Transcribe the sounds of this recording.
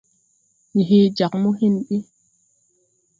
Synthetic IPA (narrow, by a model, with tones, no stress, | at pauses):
ni˨ɦe˦d͡ʒa˨kmu˦hi˦˨nɗi˦